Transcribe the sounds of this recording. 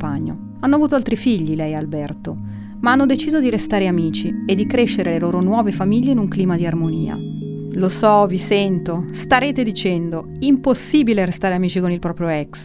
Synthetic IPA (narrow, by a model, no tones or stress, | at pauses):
paɲːo̰ | anːoavuːt̪oalt̪ɾifiʎːilɛjalbɛrt̪o | maanːod̪et͡ʃiːzod̪iɾest̪aːɾeamiːt͡ʃied̪ːikɾeʃːeɾeleloːɾonwɔːvefamiʎːeinuŋkliːmad̪iarmonḭːa̰ | losɔvisɛnt̪ost̪aɾeːt̪ed̪it͡ʃɛnd̪o | imposːiːbileɾest̪aːɾeamiːt͡ʃikonilpɾɔpɾjoɛks